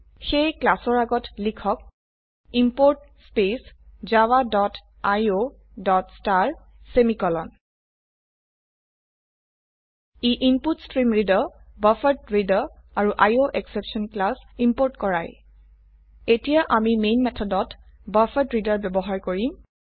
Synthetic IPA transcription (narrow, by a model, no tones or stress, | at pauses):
xejklasɔɹaɡɔtlikʰɔk̚ | impoɹt | spes | zawadɔt | ajo | dɔtstaɹ | semikɔlɔn | iʔimputstɹimɹidɔbafatɹidaaɹuʔajoʔɛksepsɔnklasimpoɹtkɔɹaj | etijaʔamimenmɛtʰɔdɔtbafʰatɹidaɹbɛbɔɦaɹkoɹim